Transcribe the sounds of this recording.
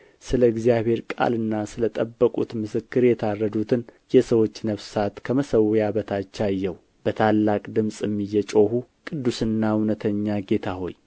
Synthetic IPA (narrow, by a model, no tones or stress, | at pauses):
sɨləɨɡzijaβhe̞ɾkʼa̰lɨnːasɨlət̪ʼəbːəkʼut̪mɨsɨkːɨɾjɛt̪ʰarːəd̪ut̪ʰɨnjɛsəwo̞t͡ʃːnəβsat̪kʰəməsəwjabət̪ʰat͡ʃːajːɛwu | b̥ət̪ʰalːakʼd̪ɨmsʼɛmːijːɛt͡ʃʼo̞hukʼɨd̪ːusɨnːaunət̪ʰəɲːaɡe̞t̪ʰaɦo̞j